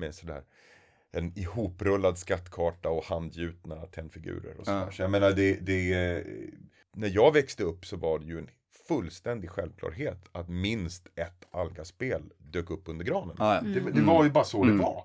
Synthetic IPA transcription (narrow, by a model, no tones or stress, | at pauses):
mɛsɔd̪æ̰ːɾ | ɛnɪhuːpɾɵlːad̪skat̪ːkʰɑːʈaɔhand̪jʉ̟ːt̪nat̪ʰɛnːfɪɡʉ̟̰ːɾə̰ɾɔ̰sɔd̪æːʂɔjameːnaɖɛd̪ɛ | næɾjɑːɡvɛkst̪əɵpːsɔvaɖɛjɵɛn | fɵlːst̪ɛnd̪ɪɡɧɛlvkʰlɑ̰ːɾɦeːt̪at̪mɪnst̪ɛt̪ːalɡaspeːl | d̪øːkɵpːɵnd̪əɾɡɾɑːnənd̪ɛd̪ɛvaɾjɵbɑːɾasɔd̪ɛva̰ɾ